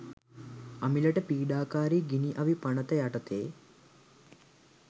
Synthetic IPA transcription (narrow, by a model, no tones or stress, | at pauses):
ɐmilɐʈəpiːɖaːkaːɾiɡiniʔɐʋipɐnɐt̪əjaʈɐt̪eː